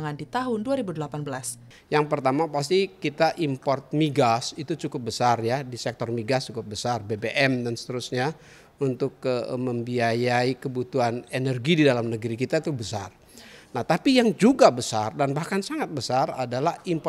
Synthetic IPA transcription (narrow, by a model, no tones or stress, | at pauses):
ŋandit̪aɦʊnduaɾibudəlapanbəlas | jaŋpərt̪amapas̬t̪ikit̪aʔimpɔrt̪̚miɡasit̪ut͡ʃukʊp̚bəsarjadisɛk̚t̪ɔrmiɡast͡ʃukʊp̚bəsarbebeʔɛmdansə̥t̪əɾusɲa | unt̪ʊkəməmbiajaikəbut̪uɦanenərɡididalamnəɡəɾikit̪at̪ubəsa̰r | naht̪apijaŋd͡ʒuɡabəsardanbahkansaŋat̪̚bəsara̰dalahimp